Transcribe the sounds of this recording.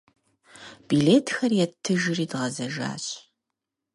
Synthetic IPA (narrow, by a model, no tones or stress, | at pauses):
b̥ileːtʰxɐrjɛtʰːɨʒɪriːdʁɐzɐʒa̰ːɕʼ